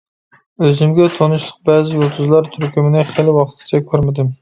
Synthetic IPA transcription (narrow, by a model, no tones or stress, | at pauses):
øzɪmɡʲɛt̪ʰonuʃlˠəq̚bɛːzɪjolˠt̪ʰuzlˠɑɾt̪ʰyɾkʲymɪnɪχelɪwɑqt̪̚kʲi̥t͡ʃʰɛkʲʰøɾmɪd̪ɪm